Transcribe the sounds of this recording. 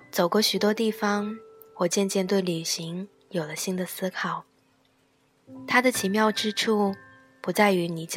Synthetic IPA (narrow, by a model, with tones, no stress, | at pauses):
t͡so˨˩ʊkwɔ˥˩ɕy˨˩t̪wɔ˥t̪i˥˩fɑ˧˩ŋ | wɔ˥˩t͡ɕjɛ˥˧nt͡ɕjɛ˥˧nt̪̬we˥˩ɪly˨˩ɕi˧˥ŋ | jo˨˩ʊlə˦ɕi˥ŋd̪ə˨sɹ̩˥kʰɑ˨˩˦ʊ | t̪ʰa˥d̪ə˨t͡ɕʰi˧˥mjɑ˥˧ʊʈ͡ʂɻ̩˥ʈ͡ʂʰu˥˩ | pu˧˥t͡sa˥˩ɪy˧˥ni˨˩t͡ɕ